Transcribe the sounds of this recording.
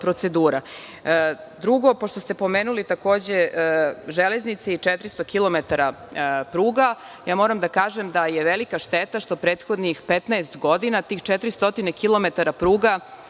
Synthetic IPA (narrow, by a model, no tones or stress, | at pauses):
pɾot̪se̞d̪uːɾa | d̪ɾuɡo̞poʃt̪o̞st̪epo̞meːnulit̪ako̞ːd͡ʑe | ʒeleznit̪seit͡ʃet̪ɾist̪o̞kilˠo̞met̪aɾapɾuːɡa | jaːmo̞ɾamd̪akaːʒemd̪ajeʋelikaʃt̪et̪aʃt̪o̞pɾeːt̪xo̞d̪nixpet̪naest̪ɡo̞d̪inat̪iːxt͡ʃet̪ɾist̪o̞t̪inekilo̞met̪aɾapɾuːɡa